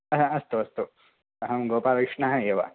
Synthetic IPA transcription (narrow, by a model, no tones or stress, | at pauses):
ɐɦɐ̃ɐst̪uɐst̪u | ɐɦɐmɡoːpaːʋikʂɳɐɦɐ̃eːʋa̰